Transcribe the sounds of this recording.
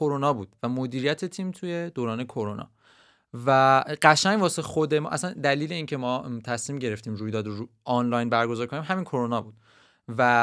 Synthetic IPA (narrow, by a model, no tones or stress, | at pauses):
oɾonɒːbuːd̪̥væmod̪iːɾijæt̪ʰet̪ʰiːmt̪ʰuje̞d̪oːɾɒːne̞kʰoɾonʔɒ̰ː | væɢæʃæŋvɒːse̞xod̪e̞mɒ̰ːʔæ̰sænd̪æliːle̞iːncʰe̞mɒːt̪ʰæsmiːmɟe̞ɾe̞ft̪iːmɾuːjd̪ɒːd̪oɾu | ɒnlɒjnbæɾɡozɒːɾkʰoniːmɦæmiːnkʰo̞ɾonɒːbuːd̪̥ | væ